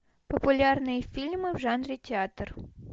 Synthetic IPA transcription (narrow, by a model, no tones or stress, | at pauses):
pəpʊlʲarnɨjəfʲilʲmɨvʐanɾʲɪtʲɪat̪r